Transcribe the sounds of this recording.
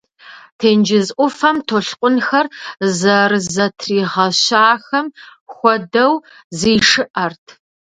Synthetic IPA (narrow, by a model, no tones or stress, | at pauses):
tʰeːnd͡ʒɪzʔʷʊfɐmtʰoɬqʷʼʊnxɐrzɐrɨzɐtʰriːʁɐɕaːxɐmxʷɔdɐw | ziːʂɨʔɐrtʰ